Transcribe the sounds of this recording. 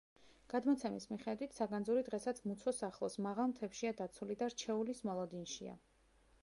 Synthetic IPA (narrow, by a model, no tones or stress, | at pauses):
ɡ̥ad̪mɔt̪sʰɛmismiχɛd̪wit̪ʰsaɡanzuɾid̪ʁɛsat̪sʰmut̪sʰɔsaχlˠɔsmaʁalˠmt̪ʰɛpʃiad̪at̪sʰulid̪aɾt͡ʃʰɛulismɔlˠɔd̪inʃḭa̰